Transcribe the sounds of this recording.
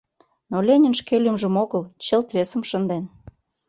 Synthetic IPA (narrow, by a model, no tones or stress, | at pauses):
nolʲenʲə̆nʃkelʲymʒə̆moɣəlt͡ɕelt̪βesə̆mʃənd̪en